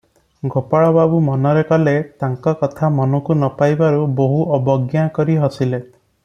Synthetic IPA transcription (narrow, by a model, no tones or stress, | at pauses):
ɡʱopaɭɔbabumɔnɔɾekɔlet̪aŋkɔkɔt̪ʰamɔnɔkunɔpajbaɾuboɦuʔɔbɔɡjakɔɾiɦɔsile